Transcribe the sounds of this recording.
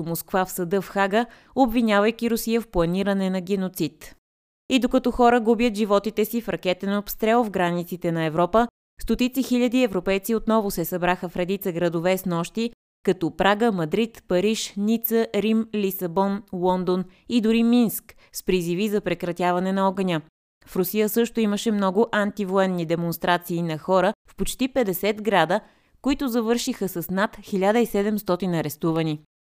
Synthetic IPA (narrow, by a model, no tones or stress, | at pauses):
moskvafsɐd̪ɤfxaɡə | obvinʲavəjkʲiɾʊsijəfplˠɐniɾənɛnɐɡʲɛnot̪sit̪ | id̪okɐt̪ɔxɔɾəɡubjət̪ʒivɔt̪it̪ɛsifɾɐkɛt̪ɛnopst̪ɾɛlˠvɡɾanit̪sit̪ɛnɐɛvɾɔpə | st̪ot̪it̪sixiʎʲəd̪iɛvɾopɛjt̪siot̪nɔvʊsɛsɐbɾaxəfɾɛd̪it̪səɡɾəd̪ovɛsnɔʃt̪i | kɐt̪ɔpɾaɡəmɐd̪ɾit̪pɐɾiʃnit̪səɾimlisɐbɔnlˠɔnd̪on | id̪ʊɾiminsk | spɾizivizɐpɾɛkɾɐt̪ʲjavɐnɛnɐɔɡənʲə | fɾʊsijəsɤʃt̪ʊiməʃɛmnɔɡʊʔant̪ivoɛnːid̪ɛmonst̪ɾat̪siːnɐxɔɾəfpot͡ʃt̪ipɛd̪ɛsɛt̪ɡɾad̪ə | koit̪ʊzɐvɤɾʃixəsɐsnat̪xilʲad̪əisɛd̪ɛmst̪ɔt̪inɐɾɛst̪uvəni